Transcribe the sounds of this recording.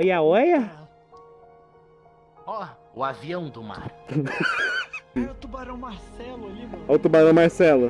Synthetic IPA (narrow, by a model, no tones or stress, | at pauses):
jɐɔjɐ | ɔ | ʊaviɐ̃w̃d̪ʊma̰ɾ | t̪ubaɾɐ̃w̃maɾsɛlɐawt̪ubaɾɐ̃w̃maɾsɛlʊ